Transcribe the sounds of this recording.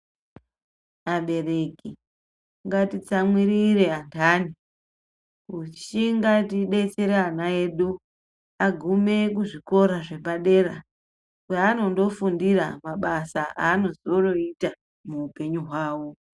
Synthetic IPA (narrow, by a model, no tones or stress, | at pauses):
aɓe̞re̞ki | ŋɡatit͡samwiɾiɾe̞antʰaːni | ut͡ʃiŋɡatiɗe̞t͡se̞ɾeanae̞ɗu | aɡʱume̞kuʐiko̞ɾaʐe̞paɗe̞ːɾa | kuano̞ndo̞fundiɾa̰maɓasaʔaːno̞zio̞no̞ita | muːpe̞ɲuɦwaːwo̞